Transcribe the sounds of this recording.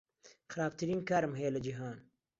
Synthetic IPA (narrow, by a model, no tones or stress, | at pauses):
xɨɾaːb̚t̪ʰɨɾiːnkaːɾɨmɦɛjelɐd͡ʒiɦaːn